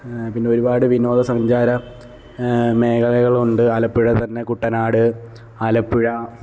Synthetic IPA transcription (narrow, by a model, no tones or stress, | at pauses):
pinːeo̞ɾubaːɽɨʋinoːðɐsɐɲd͡ʑaːɾɐ | me̞ːkɐlɐɣɐɭuɳɖɨaːlɐpːiɻɐt̪ɐnːe̞kuʈːɐnaːɽɨ | alɐpːiɻɐ